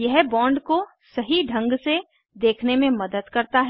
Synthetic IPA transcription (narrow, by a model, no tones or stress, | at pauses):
jɛɦbɔ̃ːɳɖko | sɐɦiɖʱɐ̃ŋɡse | d̪eːkʰnemẽmɐd̪əd̪kɐɾt̪aɦ